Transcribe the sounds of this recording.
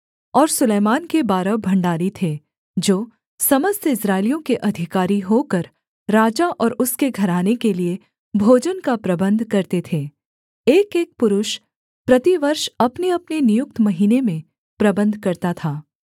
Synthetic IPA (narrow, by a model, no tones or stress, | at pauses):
ɔːɾsʊleːmaːnkebaːɾəbʱɐ̃ɳɖaːɾit̪ʰe | d͡ʒoː | sɐməst̪ɪsɾaːɪlijõkeʔɐd̪ʱɪkaːɾiɦokəɾː | aːd͡ʒaʔɔːɾʊskeɡʱɐɾaːnekelie | bʱoːd͡ʒənkapɾɐbə̃nd̪ʱkɐɾt̪et̪ʰeː | eːkeːk̚pʊɾʊʃ | pɾɐt̪iʋɐɾʃɐpneɐpnenɪjʊk̚t̪mɐɦiːnemẽ | pɾɐbə̃nd̪ʱkɐɾt̪at̪ʰaː